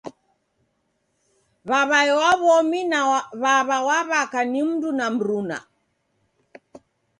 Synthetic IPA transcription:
βaβaɛwaβɔminaβaβawaβakanim̩dunam̩ɾuna̰

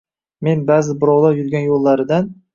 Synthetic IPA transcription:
me̞nbaːzɪbʊɾɒwlˠajʊɾɡʲanjolˠːaɾɪd̪an

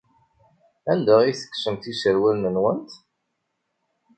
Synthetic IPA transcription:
ænd̪æʁiθə̥kːsəmt̪isəɾwəlnənwənt̪

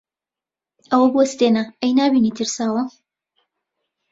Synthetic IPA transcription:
ɐwɐbuwɐst̪enaɛjnaːbiːniːt̪ʰɨɾsaːwɐ

